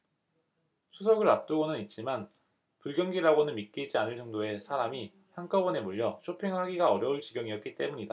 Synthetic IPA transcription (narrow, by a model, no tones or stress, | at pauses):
sʰusʰʌɡɯɾap̚t͈ɯɡonɯnit̚t͡ɕ͈iman | puɭɡjʌŋɡiɾaɡonɯnmit̚k͈id͡ʑianɯɭt͡ɕ͈ʌŋdoe̞sʰaɾami | çjaŋk͈ʌbʌne̞muʎːʌt͡ɕʰopʰeŋɦaɡiɡaʌɾjʌuɭt͡ɕiɡjʌŋiʌt̚k͈it͈e̞muɲida